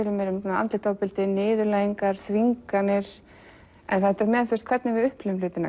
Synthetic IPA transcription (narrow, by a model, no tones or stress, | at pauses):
ɪlʏmɛɾʏmnaa̰nt̪lɪt̪ʰɔpɪlt̪ɪnɪːðʏlaːjiŋkaɾ̥θviŋkanɪɾ̥ | ɛ̰nθɛt̪ɛɾmɛːðaθwst̪kʰvɛɾt̪nɪvɪʏhplɪʏmlʏːt̪ɪna̰